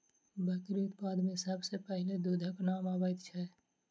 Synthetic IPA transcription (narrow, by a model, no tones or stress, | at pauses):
bək̪ɾiʊt̪paːd̪mẽsəbsepɛɦɪled̪ud̪ʱəknaːmaːbəjt̪t͡ʃʰɛ